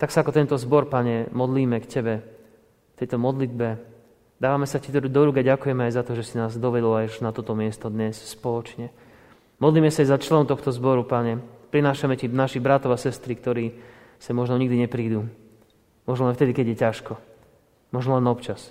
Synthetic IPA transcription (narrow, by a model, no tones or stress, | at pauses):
t̪aksaakɔt̪ɛnt̪ɔzbɔɾpaɲɛmɔd̪liːmɛkcɛbɛ | kt̪ɛjt̪ɔmɔd̪lid̪̚bɛ | d̪aːʋamɛsacit̪ɔɾud̪ɔɾuːkaɟakujɛmɛajzat̪ɔʒɛsinaːzd̪ɔʋɛd̪ɔlajuʃnat̪ɔt̪ɔmɪɛst̪ɔd̪ɲɛsspɔlɔt͡ʃɲɛ | mɔd̪liːmɛsaajzat͡ʃlɛnʊt̪ɔxt̪ɔzbɔɾupaɲɛpɾinaːʃamɛcinaʃiɣbɾat̪ɔʋasɛst̪ɾikt̪ɔɾiː | samɔʒnɔɲiɡd̪iɲɛpɾiːd̪uː | mɔʒnɔlɛnft̪ɛd̪ikɛɟjɛcaʃkɔ | mɔʒnɔlɛnɔpt͡ʃas